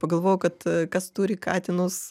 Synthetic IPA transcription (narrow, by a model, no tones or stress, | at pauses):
pɐɡɐlˠʋoːjʊkɐt̪kɐst̪uːɾʲɪkɑ̰ːt̪ʲɪnʊs